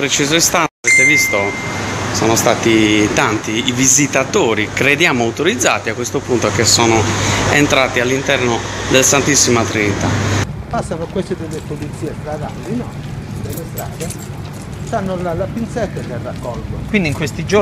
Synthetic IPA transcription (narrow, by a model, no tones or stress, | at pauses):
pɾet͡ʃiːzoist̪anvɛt̪evist̪osɔːnost̪aːt̪it̪ant̪iːvizit̪at̪oːɾikɾed̪jaːmoawt̪oɾid̪zːa̰ːt̪iakːwest̪opunt̪okesːɔːnoɛnt̪ɾaːt̪ialːint̪ɛrnod̪elasant̪isːimat̪ɾinit̪a̰pasːanokwest̪ed̪elːepolit̪siːɛt̪ɾad̪anːinɔ | d̪elːest̪ɾaːd̪e | st̪anːolalapint̪sɛt̪ːalerːakːɔlɡokwind̪iŋkwest̪id͡ʒo